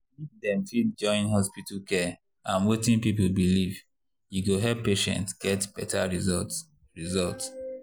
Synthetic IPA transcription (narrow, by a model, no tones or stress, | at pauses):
idɛ̃mtid͡ʒɔ̃ɪ̃nɦɔspitkʰɛ | ãnwetĩnpipolbiliv | juɡoɦɛppːeʃɛ̰̃ntsɡ̥ɛtb̥ɛtaɹizɔ | ɹizɔlts